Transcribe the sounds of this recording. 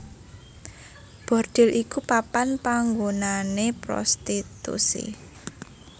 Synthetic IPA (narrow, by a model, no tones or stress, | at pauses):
b̥ɔ̤rd̪̥ɪ̤lʔikupapanpaŋɡonanepɾɔ̰st̪it̪ṵsḭ